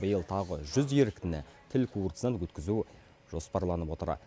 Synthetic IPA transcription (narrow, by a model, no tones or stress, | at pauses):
bəjəlˠt̪ʰɑʁəʒʏzjeɾɪkt̪ɪnɪ̰t̪ʰɪlkʰurt̪snɑnwɵt̪kʲɪzu | ʒ̥o̞spɑɾlˠɑnəpwo̞t̪əɾɑ̰